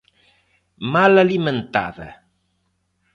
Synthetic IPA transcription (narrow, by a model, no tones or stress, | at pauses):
malaliment̪a̰ðə̰